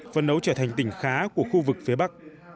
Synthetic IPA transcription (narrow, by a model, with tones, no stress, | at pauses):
fə˨˩nɗə˨˦wt͡ɕəː˧˩t̪ʰa˨˩jŋ̟t̪ï˧˩ŋ̟xaː˨˦ku˧˩əxu˧vɨ˨˩k̚fi˨˦ɓa˦˥k̚